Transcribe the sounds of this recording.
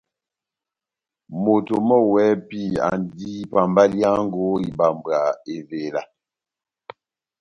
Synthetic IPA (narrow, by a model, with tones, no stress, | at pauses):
mo˨to˨mɔ˦wɛ˨˦pi˦˨a̰˨n˦dii˦pa˨mba˦lja˦ŋ˦ɡo˦i˨ba˨mba˨e˨ve˨la˨